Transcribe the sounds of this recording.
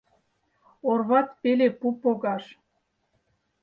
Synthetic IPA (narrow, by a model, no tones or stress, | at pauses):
orβɑt̪pelepupoɣɑʃ